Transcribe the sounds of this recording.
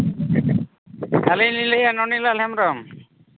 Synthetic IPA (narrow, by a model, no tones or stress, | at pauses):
kalinlilɛjanɔnilalhɛmɾɔm